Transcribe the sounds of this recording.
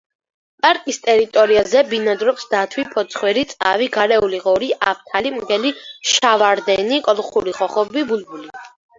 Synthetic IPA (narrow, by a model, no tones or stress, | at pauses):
pʼaɾkʼist̪ʼɛɾit̪ʼɔɾiazɛbinad̪ɾɔpsd̪at̪ʰwipʰɔt̪sʰχwɛɾit̪sʼa̰viɡaɾɛuliʁɔɾiʔap̚ʰt̪ʰalimɡɛliʃavaɾd̪ɛnikʼɔlˠχuɾiʁɔχɔbibulbuli